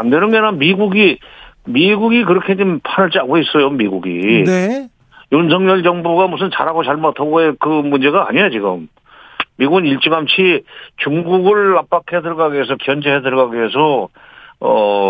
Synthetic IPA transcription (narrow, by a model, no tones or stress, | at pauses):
andenɯnɡenamiɡuɡimiɡuɡik̬ɯɾʌkʰe̞d͡ʑimpʰanɯɭt͡ɕ͈aɡʰois͈ʌjomiɡuɡḭ | jons̬ʰʌŋɲʌɭd͡ʑʌŋbuɡamusʰɯnt͡ɕa̰ɾɦaɡot͡ɕaɭmatʰaɡoekɯmund͡ʑe̞ɡa̰ːɲijat͡ɕiɡɯ̰mː | iɡuɡɯniɭt͡ɕ͈ɯɡamt͡ɕʰit͡ɕuŋɡuɡɯɭap͈akʰhedɯɭɡaɡɥes̬ʰʌkjʌnd͡ʑeɦedɯɭɡaɡes̬ʰʌ | ʌ